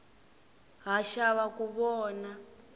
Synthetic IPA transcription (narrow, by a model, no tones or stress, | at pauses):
ɦaʃaβakuβɔːna